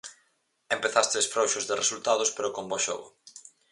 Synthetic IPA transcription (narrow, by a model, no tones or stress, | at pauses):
empeθast̪ɪsfɾowʃʊzðɪresult̪að̞ʊspeɾʊkombɔʃo̰ɣʊ̰